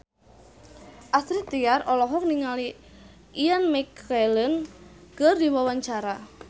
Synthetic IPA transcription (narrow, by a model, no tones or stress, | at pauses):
ʔasɾit̪ijarɔlɔɦɔk̚niŋali | ijanmɛkalənkərd̪iwawaɲt͡ʃaɾa